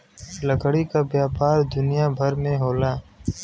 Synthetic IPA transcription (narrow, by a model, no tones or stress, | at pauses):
ləɡɽikabjaːpaːɾd̪ʊnijaːbʱəɾmẽɦoːlaː